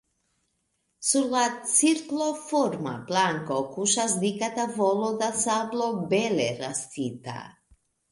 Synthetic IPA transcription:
sulat͡s̪iɾklˠofoɾma̰plaŋkokuʃazd̪ikat̪avolˠod̪asavlˠobelɛɾast̪it̪a̰

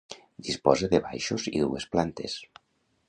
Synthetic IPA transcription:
d̪ispɔzeðeβa̰jʃozḭðṵesplant̪es

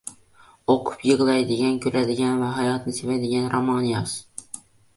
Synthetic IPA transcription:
oqʰʊ̥pjɤʁlˠɑjd̪ɪɡʲænkʲʰɵɾæd̪ɪɡʲænvæɦɑjɑt̪nɨsevæd̪ɪɡʲænɾomɑnijɑs

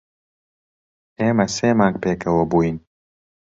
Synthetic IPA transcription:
eːmɐseːmaːŋk̚peːkɐwɐbuːin

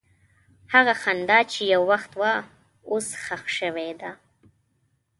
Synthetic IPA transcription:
haɣaxand̪ɑt͡ʃejawːaxt̪wa | osxaxʃəwed̪a

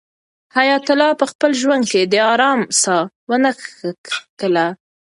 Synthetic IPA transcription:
hajɑt̪ʊlɑpəxpəlʒwand̪̚ked̪əɑɾɑmsɑ | wənəx | kəla

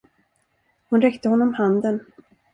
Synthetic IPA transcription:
hʊnɾɛkt̪əhɔnːɔmhand̪ən

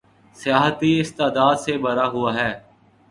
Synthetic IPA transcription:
sɪjaːɦət̪iːɪst̪aːd̪aːd̪seːbəɾaːɦʊaːɦɛː

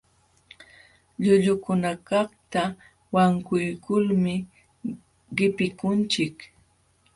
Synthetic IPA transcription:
ʎʊʎʊkʊnakɑχt̪a | waŋkʊjkʊlmɪ | ɢɪpɪkʊnt͡ʃɪk

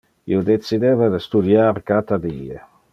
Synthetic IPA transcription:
ḭud̪et̪sid̪ɛveɾst̪ud̪jaːɾkat̪ad̪iːḛ

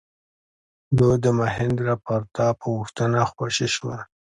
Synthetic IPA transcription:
d̪ud̪əmaɦɪnd̪ɾapaɾt̪ɑpəwuxt̪anaxwaʃiʃwa

